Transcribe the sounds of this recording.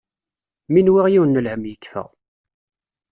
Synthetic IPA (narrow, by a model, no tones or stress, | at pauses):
minwiʁjiwənːəlhəmjəkːfæ̰ʁ